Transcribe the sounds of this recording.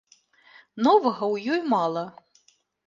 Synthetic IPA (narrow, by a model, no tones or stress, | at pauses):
nɔvɐɣɐwjɔjmɑlˠɐ